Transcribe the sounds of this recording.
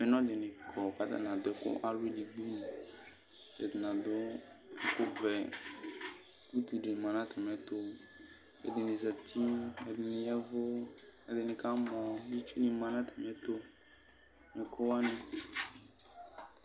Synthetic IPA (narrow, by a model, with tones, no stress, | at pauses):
ɛ˨nɔ̃˦dɪ˨nɪ˨kʰɔ˨ka˨da̰˦na˨dʊ˨˦ɛ˦kʊ̰˦ʔa˦lwi˦di˨ɡ͡bu˦ni˨ | ɛ̰˨dɪ˨na˨dʊ˦ɛ˨kʊ˦vɛ˨ | ku˦t̪i˨di˨mã˨nã˦tʰɛ˨mɛ˨˦tʊ˦ | ɛ̰˨dɪ˨nɪ˨za˨tʰi˦ɛ˨dɪ˨nɪ˨jɛ˦vʊ˦ɛ˨dɪ˨nɪ˨ka˦mɔ˨li˦t͡ʃu˦ni˨mã˨nã˦tʰɛ̥˨mɛ˦t̪ʊ˦ | nɪ˨kʰʊ˦wa˦nɪ˨